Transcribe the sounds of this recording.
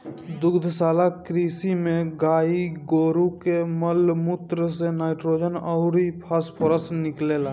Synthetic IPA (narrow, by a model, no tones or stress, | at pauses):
d̪ʊɡd̪ʱsaːlakɾiːsimẽɡaːiɡoːɾukeməlmut̪ɾəsenaːɪʈɾoːd͡ʒənɔʊɾipʰaspʰoɾəsnɪklela